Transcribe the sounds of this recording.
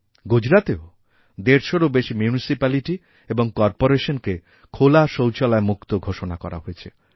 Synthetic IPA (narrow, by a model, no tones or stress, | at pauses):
ɡud͡ʑɾat̪eo | d̪eɾʃoɾobeʃimjunisipaliʈi | eboŋkɔɾpoɾeʃonke | kʰolaʃowt͡ɕʰɔlaemukt̪oɡʱoʃonakɔ̰ɾʔa̰ɦojet͡ɕʰḛ